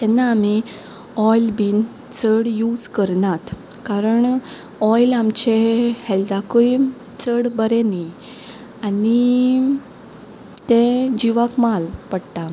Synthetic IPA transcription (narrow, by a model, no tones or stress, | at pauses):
t̪ɛnːaːmi | ɔjlbiːn | t͡səɽjud͡zkəɾnat̪ | kaɾəɳ | ɔjlamt͡ɕehɛld̪akoj | t͡səɽbəɾeni | ani | t̪ẽd͡ʑiʋakmalpəɽʈa